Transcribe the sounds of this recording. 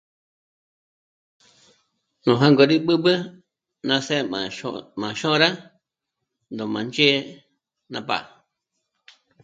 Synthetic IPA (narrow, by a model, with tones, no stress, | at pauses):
nũ˨ɦã˦ŋɡo˨ɾi˦ɓɨ˦bə˦ | nã˧se˦˨mã˨mã˨ʃõ˦ɾa˦ | nd̪õ˨mã˨nd͡ʒe˦ | nã˧pa̰˨